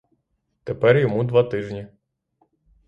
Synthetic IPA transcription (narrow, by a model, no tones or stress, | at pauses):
t̪epɛrjɔmud̪ʋat̪ɪʒnʲi